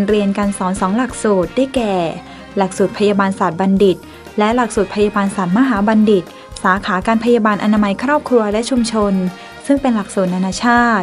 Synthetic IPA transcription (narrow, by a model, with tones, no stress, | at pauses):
nɾi˧ənka˧nsɔː˩˦nsɔː˩˦ŋla˨˩k̚suː˨˩t̪̚daː˥˩jkɛː˨˩ | la˨˩k̚suː˨˩t̪̚pʰa˧jaː˧baː˧nsa˨˩t̪̚ba˧ndi˨˩t̪̚ | lɛ˦˥la˨˩k̚suː˨˩t̪̚pʰa˧ja˧baː˧nsa˨˩t̪̚ma˧˥ɦaː˩˦ba˧ndi˨˩t̪̚ | saː˩˦kʰaː˩˦kaː˧npʰa˧jaː˧baː˧nʔa˧na˧ma˦˥jkʰɾɔː˥˩p̚kʰɾu˧ɐlɛ˦˥t͡ɕʰu˧mt͡ɕʰo˧n | sɯ˥˩ŋpe˧nla˨˩k̚suː˨˩na˧naː˧t͡ɕʰaː˥˩t̪̚